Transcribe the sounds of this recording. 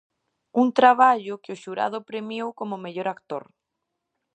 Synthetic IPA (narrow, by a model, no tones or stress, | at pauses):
uŋt̪ɾaβ̞aʎʊkɪʊʃuɾa̰ðʊpɾemjowkomʊmeʎoɾakt̪o̰ɾ